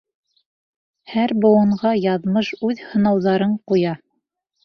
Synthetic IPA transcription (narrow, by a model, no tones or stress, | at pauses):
hæɾbŏw̪ˠɤ̆ɴʁɑjɑðmɤʃʉðhɤ̆nɑwðɑɾɤɴqujɑ